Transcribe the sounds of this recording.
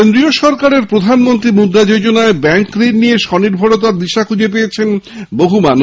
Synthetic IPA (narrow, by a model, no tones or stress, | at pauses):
end̪ɾioʃɔɾkaɾeɾpɾod̪ʱanmont̪ɾimud̪ɾad͡ʑod͡ʑonaebɛŋkɾiɾnijeʃɔniɾbʱoɽot̪̬aɾd̪iʃakʰud͡ʑep̬eet͡ɕʰenboɦuman